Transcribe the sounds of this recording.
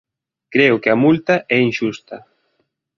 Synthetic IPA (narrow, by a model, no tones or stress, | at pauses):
kɾeʊkɪɐmult̪ɐʔɛinʃust̪ɐ